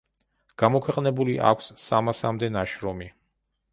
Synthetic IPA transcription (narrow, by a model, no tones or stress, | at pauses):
ɡ̥amɔkʰwɛqʼnɛbuliʔa̰kʷʰsːamasamd̪ɛnaʃɾɔmi